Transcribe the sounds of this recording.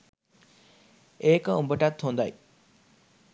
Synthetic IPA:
eːkəumbəʈat̪hond̪aj

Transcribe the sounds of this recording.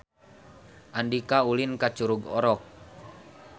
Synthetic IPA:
ʔandikaulinkat͡ʃuɾuɡɔɾɔk̚

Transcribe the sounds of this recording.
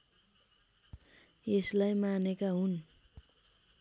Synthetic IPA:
eslajmanekaɦun

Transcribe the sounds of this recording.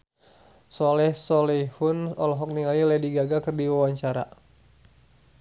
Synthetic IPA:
sɔlɛhsɔlɛhunɔ̰lɔɦɔk̚niŋalilɛdiɡaɡakərdiwawaɲt͡ʃaɾa̰

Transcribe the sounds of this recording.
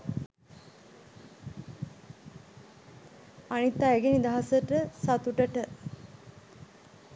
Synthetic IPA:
anit̪ːaɛɡenid̪aɦasəʈəsat̪uʈəʈə

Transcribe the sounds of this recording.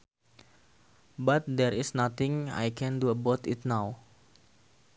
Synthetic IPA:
bat̪̚dɛɾɪsnat̪ɪŋa̰jkʰɛ̃nduəbɔt̪ɪt̪̚naw

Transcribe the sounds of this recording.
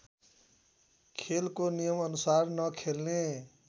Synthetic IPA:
kʰelkonijʌmʌnusaɾnʌkʰelne

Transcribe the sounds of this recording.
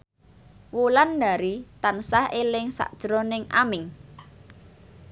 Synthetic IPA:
wulandaɾit̪ansahelɪŋsa̰ʔd̥ʒ̥ɾɔnɪŋʔamɪŋ

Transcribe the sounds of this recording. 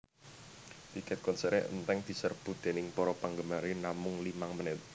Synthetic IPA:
t̪ikɛt̪̚kɔnsəɾeʔə̰nt̪ɛŋd̪̥i̤sərb̥ṳt̪̚d̪̥e̤nɪŋpɔɾɔpaŋɡəmaɾinamʊŋlimaŋmənɪt̪̚

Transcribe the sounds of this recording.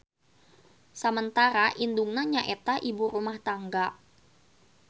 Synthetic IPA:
səmənt̪aɾaʔinduŋnaɲaʔet̪aʔibuɾumaht̪aŋɡa

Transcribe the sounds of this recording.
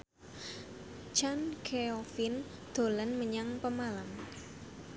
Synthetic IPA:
t͡ʃankʰeofin | d̪̥o̤lənməɲaŋpəmalam

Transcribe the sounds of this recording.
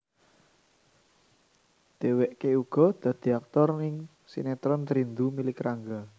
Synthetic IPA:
d̪̥e̤wɛʔkeuɡ̥ɔ̤d̪̥ä̤d̪̥i̤ak̚t̪ɔrnɪŋ | sḭnet̪ɾɔnt̪ɾind̪umilɪkɾaŋɡa

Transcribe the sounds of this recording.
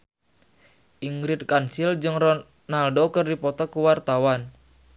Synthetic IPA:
ʔiŋɡɾɪt̪̚kansild͡ʒɨŋrɔ | naldokɨrdipɔt̪ɔkuwart̪awan

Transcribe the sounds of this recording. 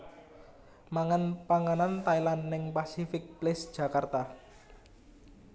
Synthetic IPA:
maŋanpaŋanant̪ailanːɪŋpasifɪk̚plɪsd̥ʒ̥ä̤kart̪a

